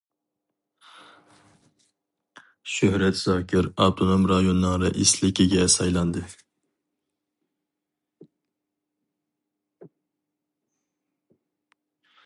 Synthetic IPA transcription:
ʃøhɾɛt̪z̥ɑːkʰʲɪɾɑwt̪ʰonomɾɑjonːɨŋɾɨʔɪslɪkʲɪɡʲɛsɑjlˠɑnd̪ɨ

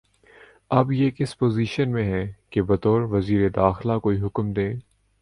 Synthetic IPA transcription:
ɐbjeːkɪspoːziːʃənmẽɦɛ̃kebɐt̪ɔːɾʋɐziːɾed̪aːxlakoːiɦʊkmd̪ẽː

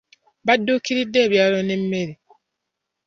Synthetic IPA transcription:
badːokiɾidːeːβjaːlonem̩meɾi

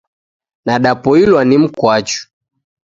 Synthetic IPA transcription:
naɗapɔilwanim̩kwat͡ʃu̥

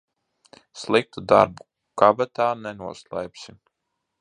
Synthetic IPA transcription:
slˠik̚t̪ud̪a̰ɾbu | kabat̪aːnɛnuɔslˠajpsim

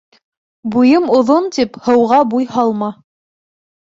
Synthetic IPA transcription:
bujɤmŏðont̪iphɤ̆wʁɑbujhɑlˠmɑ

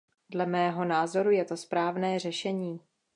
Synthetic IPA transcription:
dlɛmɛːɦo̞naːzo̞ɾujɛt̪o̞spɾaːvnɛːr̝ɛʃɛɲiː

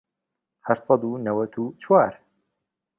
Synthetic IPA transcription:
haɾsˤɑd̪unɐwɐt̪ʰut͡ʃʰwaːɾ

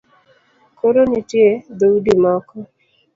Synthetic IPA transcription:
koɾonitjed̪owudimɔkɔ

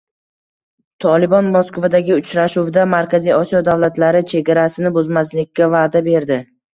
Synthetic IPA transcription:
t̪ʰɒlɪbɒnmoskvad̪aɡʲɪʊt͡ʃɾaʃuwd̪amaɾkʲazijɒsijɒd̪avlat̪ʰlaɾɪt͡ʃʰe̞ɡʲaɾasɪnɪbʊzmazlɪkʲːavaːd̪abe̞ɾd̪ɪ

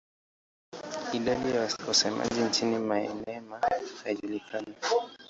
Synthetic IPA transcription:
iɗaɗijawasɛma̰ʄint͡ʃinimaɛ̰nɛmahaiʄulikʰana

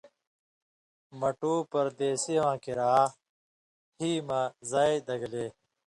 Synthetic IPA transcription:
mɐʈuːpɐɾd̪eːseʋãːkiɾaː | hiːmãzaːid̪ɐɡleː

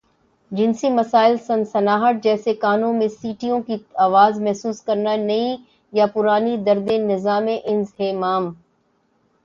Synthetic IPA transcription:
d͡ʑɪnsimɐsaːɪlsɐ̃nsɐnaːɦəʈ̚d͡ʑɛːsekaːnõmẽsiːʈijõkiaːʋaːzmɛɦsuːskɐɾnanɐi | japʊɾaːnid̪ɐɾd̪ẽnɪzaːmẽʔɪ̃nzɦeːmaːm

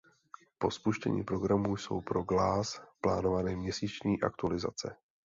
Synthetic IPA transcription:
po̞spuʃcɛ̰ɲḭːpɾo̞ɡɾamuːjso̞̰wpɾo̞ɡlaːsplaːno̞vanɛːmɲɛsiːt͡ʃɲiːʔa̰kt̪ualɪza̰t͡sɛ̰

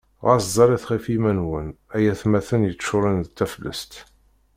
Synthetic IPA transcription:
ʁɑszˤɑɾiθχifimænwənæjæθmæθənjət͡sːʃʊɾˤənt͡s̪ːæflːə̰st̪

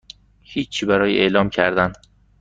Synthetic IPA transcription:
hiːt͡ʃʰːiːbæɾɒːjeʔḛʔlɒːmcʰæɾd̪æn

